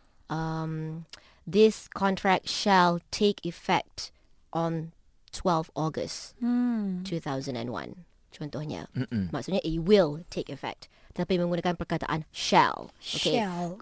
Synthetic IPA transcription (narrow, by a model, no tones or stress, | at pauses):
ãm | d̪ɪskʰɔ̃ntʰɹɛk̚tʃɛltʰekʰifɛ̰k̚t | ʔɔ̃n | tʰwɛlˠfɔɡə̰s | tʰuθaʊzə̃nɛ̰̃nwã̰n | d͡ʒɔ̃nt̪ɔhnə̰masonəʔitwɪltʰekifɛ̰k̚td̥ɛt̪apĩwɛ̃ɡõnəkãnpɹəkatə̰ʔã̰nʃɛ̰lˠoke